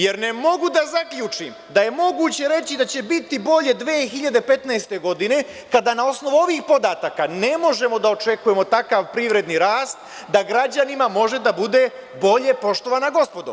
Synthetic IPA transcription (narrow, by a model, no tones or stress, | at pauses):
je̞ɾne̞mo̞ɡud̪azakʎʲuːt͡ʂim | d̪aje̞mo̞ɡuːt͡ɕe̞ɾe̞t͡ɕid̪at͡ɕe̞bit̪ibo̞ʎe̞d̪ʋeːxiʎad̪e̞pe̞t̪naest̪e̞ɡo̞d̪ine̞ | kad̪anao̞sno̞ʋuo̞ʋiːxpo̞d̪aːt̪akane̞mo̞ʒe̞mo̞d̪ao̞t͡ʃe̞kujemo̞t̪akaʋpɾiʋɾe̞d̪niɾaːst̪̚ | d̪aɡɾad͡ʑanimamo̞ʒe̞d̪abud̪e̞ | bo̞ʎe̞po̞ʃt̪o̞ʋanaɡo̞spo̞d̪o̰